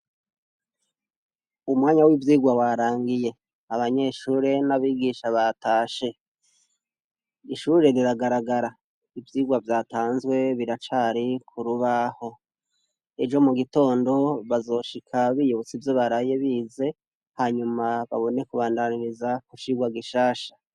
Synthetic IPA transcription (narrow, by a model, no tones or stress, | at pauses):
umŋaːɲawivjiːɡwawaɾaːŋɡije̞ | aβaɲe̞ʃuːɾe̞naβiːɡiːʃaβatʰaːʃe̞ | iʃuːɾe̞ɾiɾaɡaɾaɡaɾa | ivjiːɡwavjaːtaːnzwe̞βiɾat͡ʃaːɾikʰuɾuβaho̞ | e̞d͡ʒo̞muɡito̞ːndo̞βazo̞ʃikʰaβijuβot͡sivjo̞βaɾaje̞βiːze̞ | haːɲumaβaβo̞ne̞kuβaːndaniɾizakut͡ʃiɡwaɡiʃaːʃḁ